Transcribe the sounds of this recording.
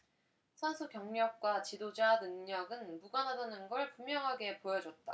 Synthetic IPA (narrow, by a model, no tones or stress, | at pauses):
sʰasʰukjʌŋɲʌk̚k͈wat͡ɕidod͡ʑanɯŋɲʌɡɯnmuɡanɦadanɯnɡʌɭpumjʌŋɦaɡe̞pojʌd͡ʑʌt̚t͈a̰